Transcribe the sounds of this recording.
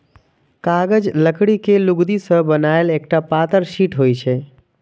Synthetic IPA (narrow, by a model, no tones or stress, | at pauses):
kaɡəd͡ʒləkɽikeluɡd̪isə̃bənaelek̚ʈapat̪əɾsiʈɦojt͡ʃʰɛ